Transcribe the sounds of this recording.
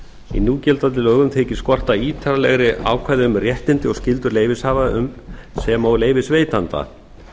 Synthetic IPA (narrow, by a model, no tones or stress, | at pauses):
ḭnuːcɛlt̪at̪ɪlœːɣʏmt̪ʰeːcɪ̥skɔr̥t̪aiːt̪ʰaɾalɛɣɾɪʔa̰ːwkʰvaːjðɪʏmrjɛht̪ɪnt̪ɪɔɣscɪlt̪ʏɾleːjvɪshaːvaʏmsɛmawleːjvɪsveːjt̪ant̪a̰